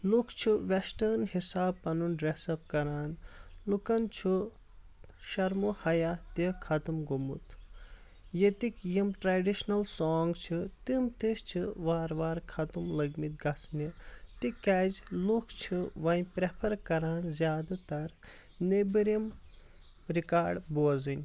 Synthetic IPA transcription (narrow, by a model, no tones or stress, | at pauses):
lukʰt͡ʃʰiʋesʈɐnhisaːbpɐnunɖɾesɐb̚kɐɾaːnlukɐnt͡ʃʰu | ʃɐɾmuhɐjaːt̪ikʰɐt̪umɡumṵt̪ | jet̪ikjimʈɾaɖiʃnɐlsoːŋɡt͡ʃʰit̪imt̪iʃt͡ʃʰiʋaːɾʋaːɾkʰɐt̪umlɐɡmit̪̚ɡɐsnit̪ikazlukʰt͡ʃʰiʋɐnʲpɾepʰɐɾkɐɾaːnzʲjaːd̪at̪ɐɾ | nebiɾim | ɾikaːɖboːzɨnʲ